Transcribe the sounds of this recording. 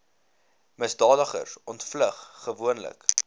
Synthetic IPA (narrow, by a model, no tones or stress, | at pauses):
məsdɑːdəχə̰rsɔntfləχːəvuənlə̰k